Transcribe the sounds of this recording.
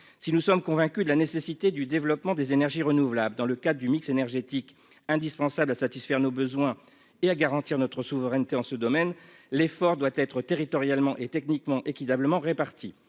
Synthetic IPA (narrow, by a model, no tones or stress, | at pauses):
sinusɔmkɔ̃vɛ̃kʲyd̪əlanesesit̪ed̪yd̪evlɔpmɑ̃d̪ezenɛʁʒiʁənuvlabləd̪ɑ̃ləkad̪ʁəd̪ymiksenɛʁʒet̪ik | ɛ̃d̪ispɑ̃sablasat̪isfɛʁnobəzwɛ̃ | eaɡaʁɑ̃t̪iʁnɔt̪χəsuvəʁɛnt̪eɑ̃səd̪ɔmɛnlefɔʁd̪wat̪ɛt̪χət̪eʁit̪ɔʁjalmɑ̃ʔet̪ɛknikmɑ̃ʔekʲit̪abləmɑ̃ʁepaʁt̪ʰi